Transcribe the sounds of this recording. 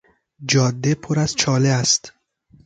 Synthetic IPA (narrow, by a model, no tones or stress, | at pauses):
d͡ʒɒːd̪ːepʰoɾæzt͡ʃʰɒːleæst̪